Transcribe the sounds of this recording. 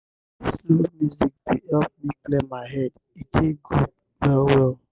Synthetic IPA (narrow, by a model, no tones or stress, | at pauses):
slomjuzik̚diʔɛf̚miklemaɪɦɛd̚ | itʰekɡu | wɛlwɛl